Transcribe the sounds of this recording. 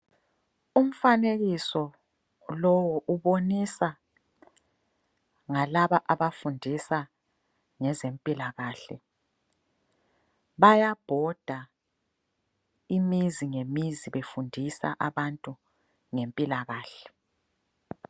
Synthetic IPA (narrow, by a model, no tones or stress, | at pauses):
um̩faneɣisɔ | lɔwɔʔuβonisa | ŋalaβaʔaβafundʱisa | ŋɛzempʼilaɣaːɬɛ | βajab̥ʱɔd̥ʱa | imiziŋemiziβefundʱisa̰ʔaβantʼu | ŋempʼilaɣaːɬɛ